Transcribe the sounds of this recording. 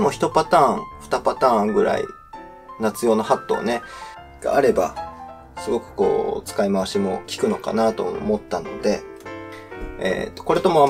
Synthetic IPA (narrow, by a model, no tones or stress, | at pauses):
d̪emo̞çʲi̥t̪o̞pat̪ãːŋɸɯ̟̥t̪apat̪ãːŋɡɯ̟ɾa̰ḭ | nat͡sɨjo̞ːnohat̪ːo̞̰ːne̞ | ɡ̥a̰ːɾe̞ba̰ | sɨɡo̞kɯ̟̥ko̞ːt͡sɨ̥kaimaβaɕimo̞kʲi̥kɯ̟no̞ka̰nat̪o̞mo̞t̪ːano̞̰d̪e̞ | ḛt̪ːoko̞ɾe̞t̪o̞mo̞a